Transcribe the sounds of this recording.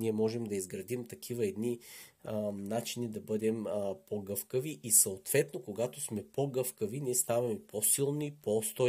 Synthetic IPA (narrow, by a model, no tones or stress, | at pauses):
niɛmɔʒɛmd̪ɐizɡɾɐd̪imt̪ɐkʰivɐɛd̪ni | nat͡ʃinid̪ɐbɤd̪ɛmpoɡɤfkəviʔisɐot̪v̥ɛt̪nokoɡat̪osmɛpoɡɤfkəviniɛst̪avɐmɛposilˠnipost̪ɔ